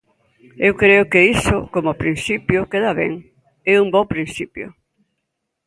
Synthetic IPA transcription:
ewkɾeʊkeisʊkomopɾinsipjʊkeðaβḛŋ | ɛuŋbopɾĩnsipjʊ̰

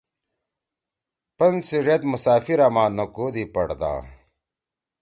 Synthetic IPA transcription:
pɐnsiʐet̪musaːfiɾamaːnɐkoːd̪ipɐɽd̪a̰ː

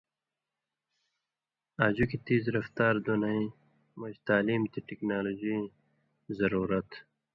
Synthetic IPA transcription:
aːd͡ʑukit̪iːzɾɐft̪aːɾd̪unɐĩ | mod͡ʑt̪aːliːmt̪iʈiknaːloːd͡ʑi | zɐɾuːɾɐt̪

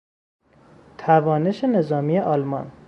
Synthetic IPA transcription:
t̪ʰævɒːne̞ʃene̞zɒːmiːjeʔɒlmɒn

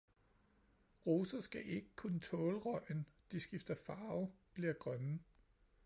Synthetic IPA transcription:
ʁoːsɐsɡ̥æʔe̝ɡ̥əkʰunət͡sʰɔ̽ːləʁɒ̽ɪ̰nd̥isɡ̥ifd̥ɐfɑ̈ːʊb̥liɐɡ̥ʁɶnə

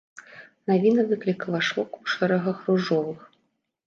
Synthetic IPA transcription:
navʲinɐd̪ɨklʲikɐlˠɐʂɔkuʂɛɾɛɣɐxruʐɔvɨx

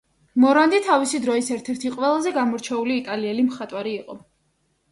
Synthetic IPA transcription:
mɔɾand̪it̪ʰavisid̪ɾɔisɛɾt̪ʰɛɾt̪ʰiqʼwɛlˠazɛɡamɔɾt͡ʃʰɛuliːt̪ʼaliɛlimχat̪ʼwaɾiːqʼɔ

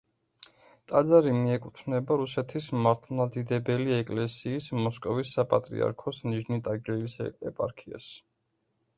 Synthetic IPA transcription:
t̪ʼad̪zaɾimiɛkʼut̪ʰnɛbaɾusɛt̪ʰismaɾt̪ʰlˠmad̪id̪ɛbɛliɛkʼlɛsiːsmɔskʼɔvisːapʼat̪ʼɾḭa̰ɾkʰɔsniʒnit̪ʼaɡɾɛlisɛpʼa̰ɾkʰia̰s

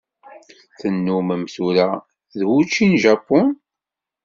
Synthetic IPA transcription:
θənːuməmθuɾæ | ðwut͡ʃːinʒɑpːʊn

